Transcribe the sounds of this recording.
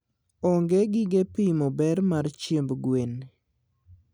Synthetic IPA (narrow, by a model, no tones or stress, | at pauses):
ɔŋɡeɡɪɡepimɔbɛɾmaɾt͡ʃjembɡwen